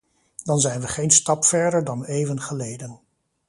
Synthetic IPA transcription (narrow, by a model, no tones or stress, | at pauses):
d̥ɑnzɛjnʋəχejnstɑpfɛɹdəɹdɑnejvənχəlejdən